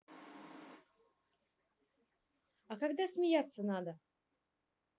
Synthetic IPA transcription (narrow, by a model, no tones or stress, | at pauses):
akaɡd̪asʲmʲɪjat̪sːənad̪ə